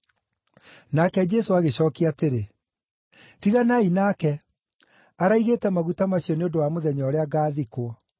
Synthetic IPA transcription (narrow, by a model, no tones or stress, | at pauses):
nakɛd͡ʑɛsoaɣeɕɔːkiateɾe | tiɣanainaːkɛ | aɾaiɣetɛmaɣutamaɕiɔneodowamoðɛɲɔːɾeaɡaːðikwɔ